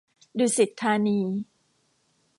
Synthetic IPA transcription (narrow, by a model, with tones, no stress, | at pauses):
duː˧˩si˨˩t̪ʰːaː˧niː˧